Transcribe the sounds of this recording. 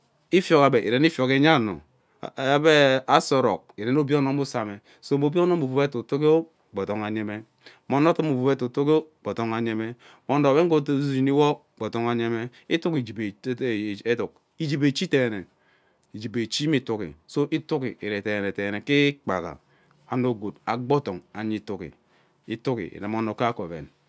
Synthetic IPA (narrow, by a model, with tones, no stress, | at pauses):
i˦fjo˨ka˨be˨ʔi˨ɾe˨n˦i˦fjo˨ke˨˦ɲa˦˨no̰˨ | a˦be˦a˦so˨ɾo̰˨k̚i˨ɾe˨no˦bi˦o˦no˨m˦u˦sa˨me˨ | so˦bo˦bi˦o˦no˦bu˨u˨be˦tu˨tu˦ki˦o˦ | ɡ͡bo˨to˨ŋa˨ɲe˨me˦ | mo˨no˦tu˦mu˨vu˨be˦tu˨tu˦ko˦k͡po˨to˨ŋa˨ɲe˨me˦ | mo˨ndo˨be˦ŋ˦o˦tzd͡ʒi˨ni˦wo˦˨ɡ͡bo˨to˨ŋa˨ɲe˦me˦ | i˦tu˦ki˨d͡ʒi˨be˨˦˨e˦tu˨k | i˦d͡ʒi˨be˨t͡ʃi˦te˨ne˨ | i˨d͡ʒi˨be˨t͡ʃi˦mi˦˨˦tu˦kḭ˨so˦ʔi˦tu˦kḭ˨i˨ɾe˨te˨ne˨te˨ne˨ki˦k͡pa̰˨ɣa̰˨ | a˨no˦˨ɡo˨da˨ɡ͡bo˦to˨ŋa˨ɲi˦tu˦kḭ˨ | i˦tu˦kḭ˨ḭ˨ɾe˨mo˨no˨ka˦ko˨bḛ˨n